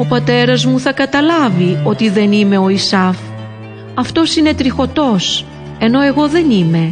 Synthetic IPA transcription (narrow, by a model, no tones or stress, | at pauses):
o̞pɐt̪e̞ɾɐzmuθɐkɐt̪ɐlɐvio̞t̪iðe̞nime̞o̞isɐf | ɐft̪o̞sine̞t̪ɾixo̞t̪o̞s | e̞no̞e̞ɣo̞ðe̞nime̞